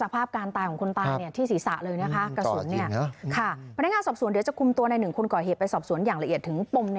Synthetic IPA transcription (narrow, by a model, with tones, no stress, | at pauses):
sa˧pʰaː˥˩p̚kaː˧nt̪aː˧kʰɔ˨˩˦ŋkʰo˧nt̪aː˧jni˥˩ɐt̪ʰiː˥˩siː˩˦sa̰˨˩ʔlɤː˧jna˦˥kʰa˦˥ka˧so˩˦nːi˥˩ɐ˦kʰa˥˩a˧n˦˥kŋaː˧nsɔː˨˩p̚su˨˩˦ndi˨˩˦t͡ɕa˨˩kʰu˧mt̪u˧ɐna˧jnɯ˨˩ŋkʰo˧nkɔː˨˩ɦeː˨˩t̪̚pa˧jsɔː˨˩p̚su˩˦njaː˨˩ŋla˧ʔi˨˩ət̪ʰːɯ˩˦ŋpo˧mn